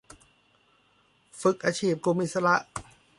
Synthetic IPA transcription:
fɯ˨˩k̚ʔaː˧t͡ɕʰiː˥˩p̚ku˧mʔi˨˩t̪sa˧ɾa˧˥ʔ

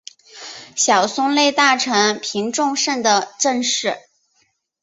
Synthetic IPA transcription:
ɕjɑ˨˩ʊsʊ˥ŋle˥˧ɪt̪a˥˩ʈ͡ʂʰɤ˧˥ŋpʰi˧˥ŋʈ͡ʂʊ˥˧ŋʂə˥˩ŋd̪ə˩ʈ͡ʂə˥˧nʂɻ̩˥˩

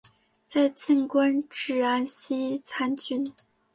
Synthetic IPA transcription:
t͡sa˥˧ɪt͡ɕʰi˥˧ŋkwa˥nʈ͡ʂɻ̩˥˩a˥˩nɕi˥t͡sʰa˥nt͡ɕy˥˩n

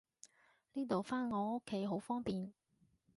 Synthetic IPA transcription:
niː˥t̪o˨wfaː˥nŋɔː˨˧ŋo˥kʰːe˨˥jɦo˨˥wfɔː˥ŋpiː˨n

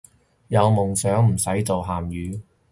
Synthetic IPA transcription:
jɐ˨˧wmʊ˨˩ŋsœː˨˥ŋm̩˨˩sɐ˨˥jt͡so˨wɦaː˨mjyː˨˧

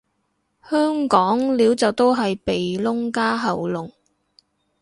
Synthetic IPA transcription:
hœː˥ŋkɔː˨˥ŋliː˨˥wt͡sɐ˨wt̪o˥wɦɐ˨jpe˨jlʊ˥ŋkaː˥ɦɐ˨wlʊ˨˩ŋ

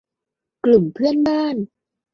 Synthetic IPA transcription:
klu˨˩mpʰɯ˥˩ənbaː˥˩n

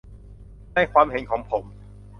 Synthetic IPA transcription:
naː˥˩jkwaː˧mhe˨˩˦nkʰɔː˩˦ŋpʰo˩˦m

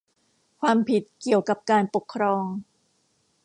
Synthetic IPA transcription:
kʰwaː˧mpʰi˨˩t̪̚ki˨˩əwka˨˩p̚kaː˧npo˨˩kʰːɾɔː˧ŋ

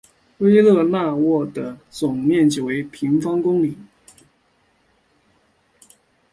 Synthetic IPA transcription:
we˥ɪlɤ˥˧na˥˧wɔ˥˩d̪ə˩t͡sʊ˨˩ŋmjɛ˥˩nt͡ɕjo˨˩we˧˥ɪpʰi˧˥ŋfɑ˥ŋkʊ˥ŋli˨˩˦

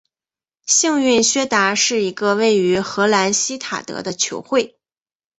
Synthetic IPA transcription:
ɕi˥˧ŋy˥˩nɕɥɛ˥t̪a˧˥ʂɻ̩˥˩i˧˥ɡə˧we˥˩ɪy˧˥xɤ˧˥la˧˥nɕi˥t̪ʰa̰˨˩t̪ɤ̰˧˥d̪ə˧t͡ɕʰjo̰˧˥ʊxwe˥˩ɪ

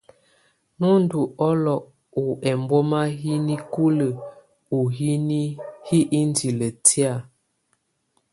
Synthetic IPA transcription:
nu˦n̩˦du˨ɔ˦lɔ˨ʔ | u˨ɛ˨mbo˦ma˦ɦi˦ni˦ku˦lə˨ | u˨ɦi˦ni˦hi˦ʔi˦n˦di˨lə˨ti˦a˦˨

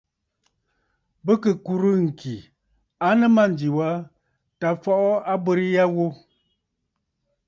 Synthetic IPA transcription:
bə˦kə˨ku˨ɾɨ˦ŋ̩˨kʰi˨ | a˦nə˦ma˦˨n˨di˨wa˦ | ta˨fɔ˦ʔɔ˦a˦bə˦ɾi˦ja˦wo˦

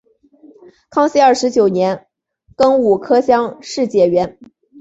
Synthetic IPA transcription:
kʰɑ˥ŋɕi˥ə˞˥˩ʂɻ̩˧˥t͡ɕjo˨˩ʊnjɛ˧˥n | kɤ˥ŋu˨˩kʰɤ˥ɕjɑ˥ŋʂɻ̩˥˩t͡ɕjɛ˨˩ɥɛ˧˥n

